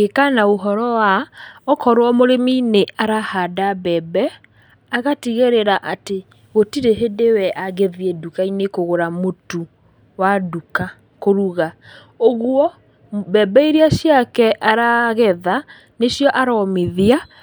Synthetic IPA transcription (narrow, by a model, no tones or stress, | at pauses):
ekanaoɦɔɾɔwaɔkɔɾwɔmoɾemineaɾahadabɛbɛ | aɣatiɣeɾeɾaʔate | ɣotiɾeɦedewɛʔaɣeðjɛdukainekoɣoɾamotu | waduka | koɾuɣa | oɣwɔ | bɛbɛiɾeaɕjakɛʔaɾaɣɛða | neɕjɔʔaɾɔmeðia